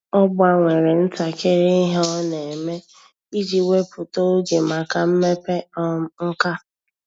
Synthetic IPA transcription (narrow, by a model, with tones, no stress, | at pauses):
ɔ˦bʊ˦a˦ŋʷe˨ɾe˨n̩˦ta˨ke˦ɾi˦ɦɔ˦ne˨me˦ | i˦d͡ʒi˨we˦pʊ˨to˦ɡe˨ma˨ka˨m̩˦me˦pe˦ɔ˦m˦ŋ̩˦ka˦